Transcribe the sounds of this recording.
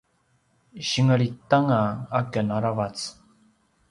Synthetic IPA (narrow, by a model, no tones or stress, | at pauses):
ɕiŋəɾitaŋaakənaɾavat͡s